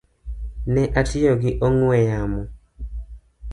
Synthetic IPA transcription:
nɛʔatɪjoɡɪʔɔŋwɛjamɔ

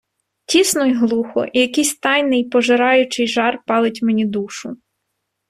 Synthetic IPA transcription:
tʲisnʊjɦlˠuxɔ̰ʔijɐkɪjsʲt̪ɑjnɪjpɔʒɪɾɑjʊt͡ʃɪjʒɑrpɑlˠɪtʲmenʲid̪uʃʊ

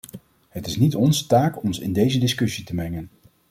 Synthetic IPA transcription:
ɦətɪsnitɔnzətaːkɔnsɪ̰ndejzədɪskɵsitəmɛŋən

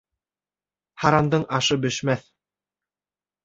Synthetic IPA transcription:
hɑɾɑnd̪ɤɴɑʃɤbɵ̆ʃmæθ

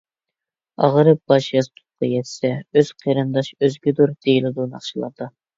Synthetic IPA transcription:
ɑ̰ʁəɾɨb̥ɑʃjɑst̪ʰuqʰɑ̰jɛt̪ʰsɛøz̥qʰeɾɨnd̪ɑʃøzɡʲid̪uɾd̪̥ejilɪd̪unɑ̰χt͡ʃʰilˠɑ̰ɾd̪ɑ

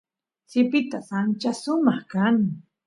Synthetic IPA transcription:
sɪpɪt̪asant͡ʃasʊmɑχkaŋ

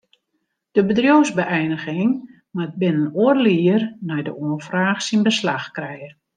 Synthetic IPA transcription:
d̥əbədrjowzbəʔɛjnəɣɪŋ | maət̚bɪnənoərliərnɛjdəoəfraːxsinbəslaxkrɛjə

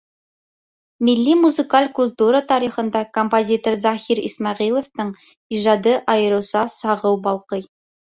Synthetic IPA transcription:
milːimuzɨkalʲkulʲt̪uɾət̪ɑɾiχɤ̆nd̪ɑkompozʲit̪oɾzɑhiɾḭsmɑʁilˠoft̪ɤɴ | iʒɑd̪ɤʔɑjɤ̆ɾɤ̆wsɑsɑʁɤwbɑlˠqɤj

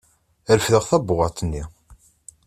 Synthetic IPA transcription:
əɾəfðəʁθæbːʊʁɑt̪ˤənːi

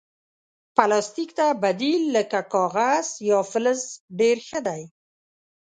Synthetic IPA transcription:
palɑst̪ikt̪abad̪ilːəkakɑɣaz̥jɑfɪləzɖeɾxəd̪aj

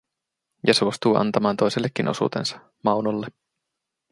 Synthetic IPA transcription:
jɑsuost̪uːɑ̰nt̪ɑmɑːnt̪o̞jselːekːinʔo̞̰sṵːt̪e̞̰nsɑ̥ | mɑwnolːe

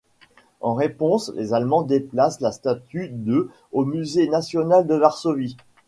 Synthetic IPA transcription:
ɑ̃ʁepɔ̃slʔḛzalmɑ̃d̪eplaslast̪at̪yd̪ø | omyzenasjɔnald̪əvaʁsɔvi

